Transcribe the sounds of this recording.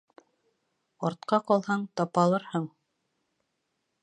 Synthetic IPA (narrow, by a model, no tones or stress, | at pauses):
ɒɾt̪qɑqɒlˠhɑɴt̪ɑpɑlˠɤɾhɤɴ